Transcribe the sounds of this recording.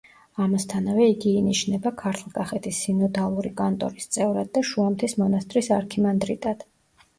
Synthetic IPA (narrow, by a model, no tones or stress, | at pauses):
amast̪ʰanavɛiɡiːniʃnɛbakʰaɾt̪ʰlˠkʼaχɛt̪ʰisːinɔd̪alˠuɾikʼant̪ʼɔ̰ɾist̪sʼɛvɾad̪̚ːaʃuamt̪ʰismɔnast̪ʼɾisaɾkʰimand̪ɾḭt̪ʼad̪̥